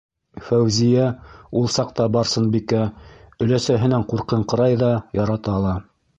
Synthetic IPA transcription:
fæwzijæulˠsɑq̚t̪ɑbɑɾsɤnbikæɵ̆læsæɦɘ̆næɴquɾqɤɴqɤ̆ɾɑjðɑjɑɾɑt̪ɑːlˠɑ

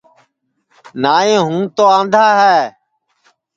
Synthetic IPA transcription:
naːẽːɦũːt̪oːãːnd̪ʱaːɦɛː

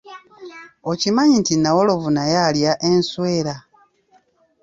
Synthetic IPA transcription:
o̞cimaɲintinawolo̞vunajaljaʔenswe̞ːɾa

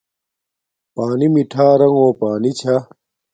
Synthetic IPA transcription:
paːnimiʈʰaːɾɐŋɡoːpaːnit͡ɕʰa

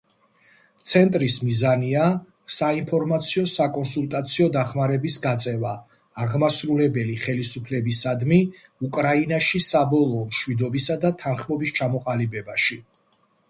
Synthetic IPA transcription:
t̪sʰɛnt̪ʼɾismizania | saimpʰɔɾmat̪sʰiɔsakʼɔnsulˠt̪ʼat̪sʰiɔd̪aχmaɾɛbisɡat̪sʼɛvaː | ʁmasɾulɛbɛliχɛlisupʰlɛbisad̪mi | ukʼɾainaʃisabɔlˠɔːmʃwid̪ɔbisad̪at̪ʰanχmɔbist͡ʃʰamɔqʼalibɛbaʃi

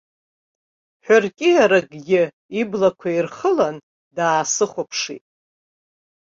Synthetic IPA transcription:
ħʷᶣʊrkʲʼɪjaɾaɡʼɡʲɪ | iblakʷʰairχəlan | daːsɨχʷapʰʂḭtʼ

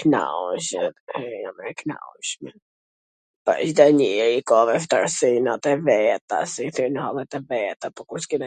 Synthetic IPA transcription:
kna̰wʃɛamɛkna̰wʃmɛ | pa̰ʃd̪aɲiɛikɔvɛft̪aɾsinat̪ɛvɛt̪a̰siθinəhɔlɛt̪ɛvɛt̪apɔkuɾskinɛ

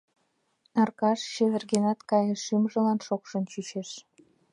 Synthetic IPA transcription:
nɑrkɑʃɕeβerɣenɑt̪kɑjəʃːimʒə̆lɑnʃokʃə̆nt͡ɕyt͡ɕeʃ

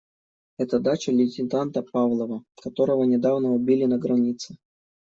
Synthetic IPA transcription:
ɛt̪əd̪at͡ɕəlʲɪtʲɪnt̪ant̪əpavlˠəvəkɐt̪o̞ɾəvənʲɪd̪avnəʊbʲilʲɪnəɡɾɐnʲit̪sɨ

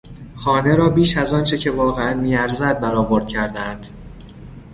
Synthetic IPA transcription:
xɒːne̞ɾɒːbiːʃæzɒːnt͡ʃʰe̞cʰe̞vɒːɣeænmiːæɾzæd̪̚bæɾɒːvo̞ɾd̪̥̚cʰæɾd̪ænd̪̥

